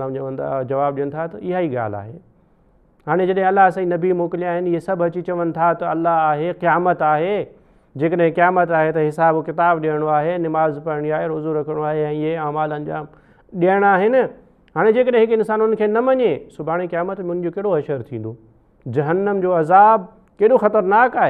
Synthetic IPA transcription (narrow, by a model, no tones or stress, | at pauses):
aːmɐʋənt̪ʰa̰d͡ʑɐʋaːbɗijəɽ̃ɪ̆t̪ʰat̪ɐɪɦaːiɠa̰ːl̤a̰ːɦe | ɦaːɽ̃ed͡ʑɐɗɦɪ̃ɐlːaɦsaːĩnɐbimoːkɪliaːɦɪnɪɪɦesɐbʱɦɐt͡ɕit͡ɕɐʋənɪ̆t̪ʰat̪ɐɐlːaɦaːɦeqijaːmət̪aːɦe | d͡ʑeːkəɗɦɪ̃qijaːmət̪aːɦet̪ɐɦɪsaːbkɪt̪aːbɗiəɽ̃oaːɦenɪmaːzpɐɾɽ̃iaːɦeɾoːzuɾɐkʰəɽ̃oaːɦeɛ̃ːɪɦeaːmaːlənɪ̆d͡ʑaː | ɗiəɽ̃aːɦɪnɪ | ɦaːɽ̃ed͡ʑeːkəɗɦɪ̃ɦɪkɪnsaːnʊnə̆kʰeːnɐmɐɲesʊbʱaːɽ̃iqijaːmət̪memʊ̃ʊɪn̆d͡ʑokɐɦɽoɦɐʃəɾt̪ʰĩːnd̪oː | d͡ʑɐɦənːəmd͡ʑoːɐzaːb̚ | keːɗoxɐt̪əɾnaːkaːɦeː